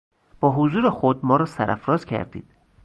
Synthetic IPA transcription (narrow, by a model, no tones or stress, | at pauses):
b̥ɒːɦozuːɾexod̪mɒːɾɒːsæɾʔæfɾɒːzcʰæ̰ɾd̪ḭːd̪̥